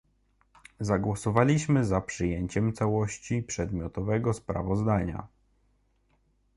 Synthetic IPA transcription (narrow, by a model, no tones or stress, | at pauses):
zaɡwɔsɔvalʲiɕmɘzapʂɘjeɲt͡ɕɛmt̪sawɔɕt͡ɕipʂɛd̪mʲjɔt̪ɔvɛɡɔspɾa̰vɔzd̪aɲa̰